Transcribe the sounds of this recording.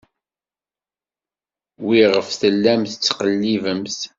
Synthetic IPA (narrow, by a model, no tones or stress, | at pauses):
wiʁəfθəlːæmθət͡sːqəlːivəmθ